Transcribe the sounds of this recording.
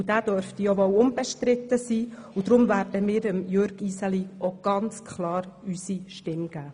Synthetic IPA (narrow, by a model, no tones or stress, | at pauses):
ud̥æːd̥øɾftijɔʋɔwʊmb̥ɛʃtɾɪt̪ːəsiːud̥̪ɾʊmvæːɾd̥əmɪːɾəmjøɾɡ̥isəliɔɡ̥ɑnt͡skʰχlɑːɾysiʃtɪmɡ̥æː